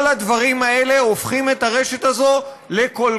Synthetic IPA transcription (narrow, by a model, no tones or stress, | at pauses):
lad̪vaʁimae̞le̞ofχime̞t̪aʁe̞ʃetazo̞ | lekol